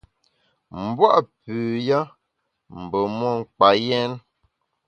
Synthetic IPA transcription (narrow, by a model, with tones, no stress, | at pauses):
m̩˨bwa˦ʔpʉː˨ja˦ | m̩˨bə˨mɔ˦˨ŋ̩˨k͡pa˨jɛ˦n